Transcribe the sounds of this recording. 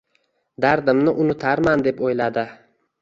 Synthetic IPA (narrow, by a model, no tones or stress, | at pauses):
d̪aɾd̪ɪmnɪʔʊnʊt̪ʰaɾmand̪e̞pojlad̪ɪ